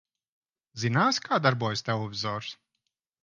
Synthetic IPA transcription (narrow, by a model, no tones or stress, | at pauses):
zinaːsʲkʰaːd̪aɾbuɔjsʲt̪ɛlˠevʲizɔːɾs